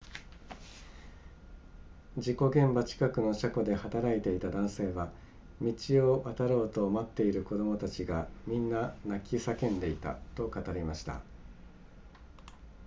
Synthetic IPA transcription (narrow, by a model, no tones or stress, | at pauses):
d͡ʑiko̞ɡẽ̞mbat͡ɕi̥kakɯ̟no̞ɕako̞d̪e̞hat̪aɾait̪e̞it̪ad̪ãɰ̃se̞ːβa | mʲit͡ɕioʔat̪aɾo̞ːt̪o̞ːmat̪ːe̞iɾɯ̟ko̞d̪o̞mo̞t̪at͡ɕiɡamʲĩnːanakʲisakẽ̞nd̪e̞it̪a̰t̪o̞kat̪aɾʲimaɕi̥t̪a̰